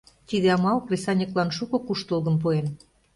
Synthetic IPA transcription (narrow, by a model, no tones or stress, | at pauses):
t̪id̪eɑmɑlklʲesɑnʲiklɑnʃukŏkuʃt̪əlɣə̆mpuen